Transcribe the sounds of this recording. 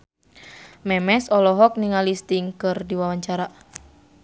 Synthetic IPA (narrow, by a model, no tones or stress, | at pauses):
mɛmɛsɔlɔɦɔk̚niŋalist̪ɪŋkɨrdiwawaɲt͡ʃaɾa